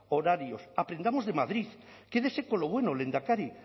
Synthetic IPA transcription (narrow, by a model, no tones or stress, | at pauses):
oɾaɾjosapɾend̪amozðemaðɾiθ | keðesekoloβwenolend̪akaɾi